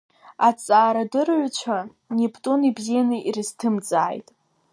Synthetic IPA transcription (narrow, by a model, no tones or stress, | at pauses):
at͡sʼaːɾadɨrʕʷt͡ʃʷʰa | nipʰtʼunibzijanɨʔirɨztʰɨmd͡zaːjtʼ